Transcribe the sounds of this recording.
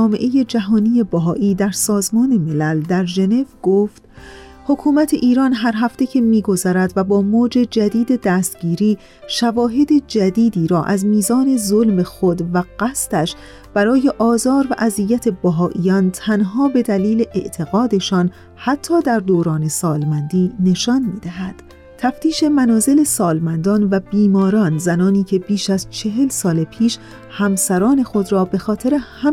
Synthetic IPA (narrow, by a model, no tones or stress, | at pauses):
meʔe̞je̞d͡ʒæɦɒːniːje̞bæɦɒːʔiːd̪æɾsɒːzmɒːne̞me̞læld̪æɾʒe̞ne̞vɡ̥oft̪ | ho̞kʰuːmæt̪ʰe̞ʔiːɾɒːnɦæɾɦæft̪e̞cʰe̞miːɡo̞zæɾæd̪væbɒːmoːd͡ʒe̞d͡ʒæd̪iːd̪e̞d̪æːst̪ɟiːɾiː | ʃævɒːɦe̞d̪e̞d͡ʒæd̪iːd̪iːɾɒːʔæzmiːzɒːne̞zolme̞xo̞d̪væɢ̥æst̪æʃ | b̥æɾɒːje̞ʔɒːzɒːɾvæʔæzijːæt̪ʰe̞bæɦɒːʔijɒːnt̪ʰænɦɒːbe̞d̪æliːle̞ʔeʔt̪ʰe̞ɣɒːd̪e̞ʃɒːn | hæt̪ʰːɒːd̪æɾd̪oːɾɒːne̞sɒːlmænd̪iːne̞ʃɒːnmiːd̪æɦæd̪̥ | t̪ʰæft̪ʰiːʃe̞mænɒːze̞le̞sɒːlmænd̪ɒːnvæbiːmɒːɾɒːnzænɒːniːcʰe̞biːʃæzt͡ʃʰe̞ɦe̞lsɒːlepʰiːʃ | hæmsæɾɒːne̞xo̞d̪ɾɒːbe̞xɒːt̪ʰe̞ɾe̞hæ